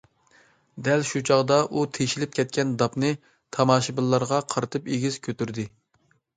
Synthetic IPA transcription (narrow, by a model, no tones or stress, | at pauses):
d̪ɛlʃut͡ʃʰɑʁd̪ɑʔut̪ʰeʃilɪp̚kʲʰɛt̪̚kʲɛnd̪ɑpnɨ | t̪ʰɑmɑːʃibɨlˠːɑɾʁɑqʰɑɾɨt̪ʰɨpeɡʲiz̥kʲʰøt̪yɾd̪ɪ